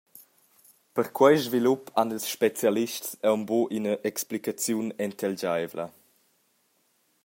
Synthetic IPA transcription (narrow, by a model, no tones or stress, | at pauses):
pəɾkʰwɛjzvilupanilsʃpet͡sjaliʃtsɛwmboʔinəʔɛksplikat͡sjunɛnt̪ʰɛld͡ʑajvlə̰